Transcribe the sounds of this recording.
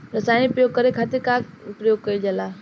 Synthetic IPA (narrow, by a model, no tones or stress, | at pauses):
ɾɐsaːñipɾjoːɡ̚kəɾekʰaːt̪ɪɾkakpɾəjoːɡ̚kɐid͡ʒəlaː